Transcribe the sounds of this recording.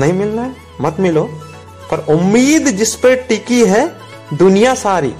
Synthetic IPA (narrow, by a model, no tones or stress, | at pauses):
nɐɦĩmɪlnaɦɛ | mɐt̪mɪloː | pɐɾʊmːiːd̪d͡ʒɪspəɾʈɪkiɦɛ | d̪ʊnijasaːɾḭː